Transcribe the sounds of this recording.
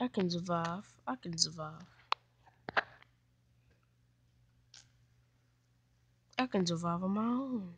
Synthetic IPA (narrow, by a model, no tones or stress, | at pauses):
akind͡zuvafakind͡zuvaf | akind͡zuvavɔmau